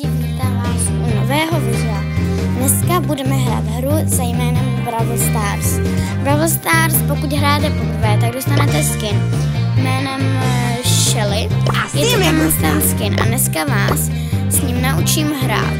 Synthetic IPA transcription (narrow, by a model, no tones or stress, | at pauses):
i | it̪avaːsʔunovɛːɦo̞vɪza | dnɛskabudɛmɛɦɾa̰ːd̪ɦɾuzajmɛːnɛmbɾavl̩st̪aːɾs | bɾavlst̪aːɾspo̞kut̪ɦɾajɛt̪ɛpobɾvɛːt̪aɡ̚dost̪anɛt̪ɛskɪn | jmɛːnɛm | ʃɛlɪajɛɛmamast̪askɪnʔa̰nɛskavaːsː | ɲimnaʔut͡ʃiːmɦɾa̰ːt̪